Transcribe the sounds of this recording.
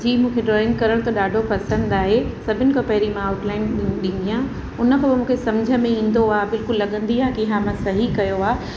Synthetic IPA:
d͡ʑiːmũːkʰeɖɾɔːɪ̃ŋkɐɾəɽ̃t̪ɐɗaːɖʱopɐsə̃nd̪aːɦesɐbʱɪnɪ̆kʰɐ̃pɐɦɪɾimãaːʊʈlaːɪnɗɪ̃nd̪ijã | ʊnə̆kʰãːbɪmũːkʰesɐ̃md͡ʑʱə̆mẽĩːn̆d̪oaːbɪlkʊlːɐɠə̃nd̪iaːɦkiɪɦãmãsɐɦikɐjoaː

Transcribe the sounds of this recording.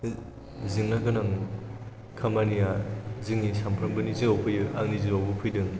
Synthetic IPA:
zɯŋnakɯnaŋ | kʰamanijazɯŋnisampʰɾɐmbɯniziawpʰɯjɯa̰ŋniziɾawbɯpʰɯjdɯŋ

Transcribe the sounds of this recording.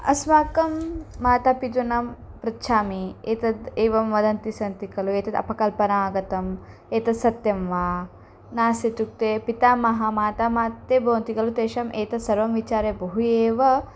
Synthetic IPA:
ɐ̰smaːkɐmːaːt̪apid̪unɐmpɾɐtːʃʰaːmieːt̪ɐd̪eːʋɐmʋɐd̪ɐnt̪isɐnt̪ikɐlueːt̪ɐd̪ɐ̰pɐkɐlpɐnaːɡɐt̪ɐm | eːt̪ɐsɐt̪jɐmʋaː | naːset̪uk̚t̪eːpit̪aːmɐɦɐmaːt̪amaːt̪ːeːboːnt̪ikɐlut̪eːʃɐmʔeːt̪ɐsɐɾʋɐmʋit͡ʃaːɾebɐɦueːʋɐ

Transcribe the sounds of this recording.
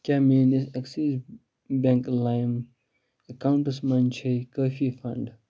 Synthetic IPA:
kamĩnɪsɛksis | bɛ̃ŋklãɪm | əkãʊ̃ɳʈəsmɐ̃nt͡ʃʰekəːfifɐ̰̃ɳɖ

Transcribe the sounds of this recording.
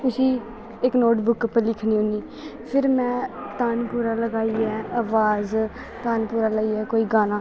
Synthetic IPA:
t̪ʊsiː | ɪknoːʈbʊkːəpəlɪkʰniːɦõːniː | pʰɪɾmɛ̃ːt̪aːnpuːɾaːləɡaːiːɛːaːʋaːz | t̪aːnpuːɾaːlaːiːɛːkoːiːɡaːnãː

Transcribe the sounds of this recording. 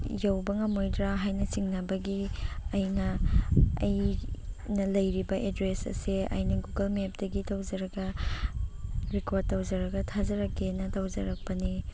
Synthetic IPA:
jɐwbɐŋɐmojdɾaɦajnɐsiŋnɐbɐɡiɐjnɐ | ɐ̰j | nɐlɐjɾibɐʔedɾesɐ̰siɐ̰jnɐɡuɡɐlmep̚dɐɡitɐwd͡ʒɐɾɐɡɐ | ɾikoɾd̚tːɐwzɐɾɐɡɐtʰazɐɾɐkːenɐtawd͡ʒɐɾɐk̚pɐni

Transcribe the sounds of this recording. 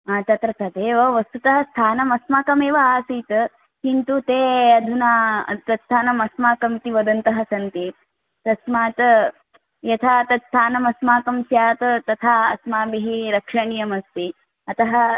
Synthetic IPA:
at̪ɐt̪ɾɐt̪ʰɐd̪eːʋɐʋɐst̪ut̪ɐɦɐst̪ʰaːnɐmɐsmaːkɐmeːʋɐaːsiːt̪ɐ | hint̪ut̪eːɐd̪ʱunat̪ɐst̪ʰaːnɐmɐsmaːkɐmt̪iʋɐd̪ɐnt̪ɐɦɐsɐnt̪i | t̪ɐsmaːt̪ | jɐt̪ʰaːt̪ɐt̪st̪ʰaːnɐmɐsmaːkɐmsjaːt̪ɐt̪ɐt̪ʰaːɐsmaːbiɦiɾɐkʂɐɳijɐmɐst̪i | ɐt̪ɐɦɐ

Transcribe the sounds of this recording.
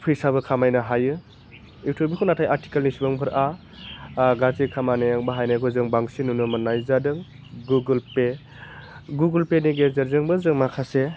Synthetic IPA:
pʰɯjsabɯkʰamajnaɦajɯ | iwtʰobikʰɯnatʰajaɾti̥kalnisibɯŋpʰɯɾa | ɡazikʰamaneaŋbaɦajneɡʰɯzɯŋbaŋsinunɯmɯnajzadɯŋ | ɡuɡɯlpe | ɡuɡɯlpeniɡezaɾzɯŋbɯzɯŋmakʰase

